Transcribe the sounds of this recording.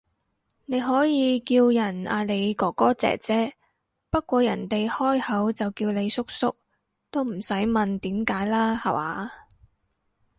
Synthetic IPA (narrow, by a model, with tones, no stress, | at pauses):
ne˨˧jɦɔː˨˥jiː˨˧kiː˧wjɐ˨˩na̰ː˧le˨˧jkɔː˨˥kɔː˥t͡sɛ̰ː˨k̚t͡sɛː˥ | pɐ˥t̚kʷɔː˧jɐ˨˩nt̪e˨jhɔː˥jhɐ˨˥wt͡sɐ˨wkiː˧wne˨˧jsʊ˥k̚sʊ̰˥k̚ | t̪o˥wm̩˨˩sɐ˨˥jmɐ˨nt̪iː˨˥mkaː˨˥jlaː˥hɐ̰˨˩waː˨˧